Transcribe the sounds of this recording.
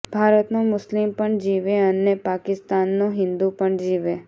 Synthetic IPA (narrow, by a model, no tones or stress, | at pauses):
b̥ʱaɾət̪nomʊslimpəɳd͡ʒiʋeənepakɪst̪anːũɦɪ̃nd̪upəɳd͡ʒiʋe